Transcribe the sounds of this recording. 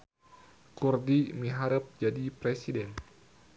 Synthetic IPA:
kurdimiɦaɾəp̚d͡ʒadipɾesidɛn

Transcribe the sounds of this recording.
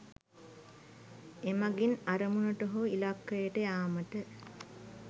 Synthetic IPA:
emaɡinaɾəmunəʈoɦoilakːəjəʈəjaːməʈə

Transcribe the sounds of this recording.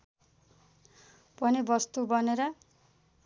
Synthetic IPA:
pʌnibʌst̪ubʌneɾʌ

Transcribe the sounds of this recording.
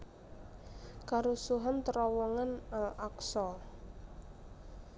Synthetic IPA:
kaɾusuɦant̪əɾɔwɔŋanalaksɔ

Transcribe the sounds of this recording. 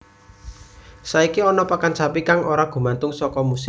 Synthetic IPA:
saikiɔnɔpakant͡ʃapikaŋoɾaɡ̥ṳmant̪ʊŋsɔkɔmus

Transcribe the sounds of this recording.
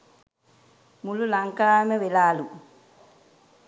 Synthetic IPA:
mululaŋkaːmɛwelaːlu

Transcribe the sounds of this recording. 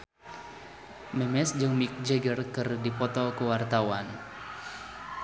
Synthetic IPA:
mɛmɛsd͡ʒəŋmik̚d͡ʒəɡərkərdipɔt̪ɔkəwart̪awan

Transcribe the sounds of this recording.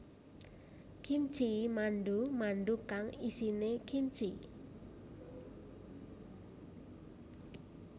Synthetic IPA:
kʰim̥t͡ʃimanɖumanɖukaŋisinekʰim̥t͡ʃi

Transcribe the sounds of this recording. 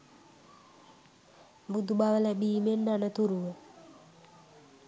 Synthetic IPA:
bud̪ubaʋələbiːmend̪anət̪uɾuʋə

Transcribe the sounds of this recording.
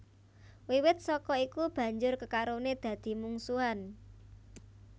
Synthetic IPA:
wiwɪt̪̚sɔkɔikub̥ä̤ɲd͡ʒʊrkəkaɾoned̪̥ä̤d̪̥i̤muŋsuan

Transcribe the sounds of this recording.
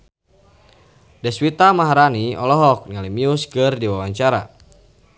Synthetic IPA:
dɛswit̪amaɦaɾaniɔlɔɦɔk̚nalimiuskɨrdiwawaɲt͡ʃaɾa̰

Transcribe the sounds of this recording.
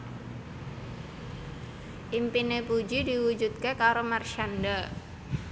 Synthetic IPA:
ʔimpinepud͡ʒidiwud͡ʒut̪̚kekaɾomarʃanda

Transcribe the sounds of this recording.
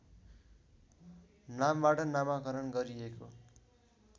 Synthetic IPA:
nambaʈʌnamakʌɾʌnɡʌɾieko

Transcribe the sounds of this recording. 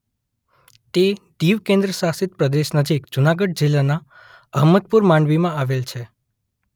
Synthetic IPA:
t̪ed̪iʋkẽnd̪ɾəsasɪt̪̚pɾəd̪eʃnəd͡ʒikd͡ʒunaɡəɖ̚d͡ʒilːana | əɦməd̪̚puɾmãɳɖʋimãaʋelt͡ʃʰe

